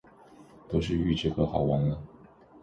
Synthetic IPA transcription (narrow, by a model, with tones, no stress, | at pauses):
t̪o˥ʊʂ̬ɻ̩˥˧y˥˧ʈ͡ʂɤ˥˩ɡə˨xɑ˨˩ʊwa˧˥nlə˧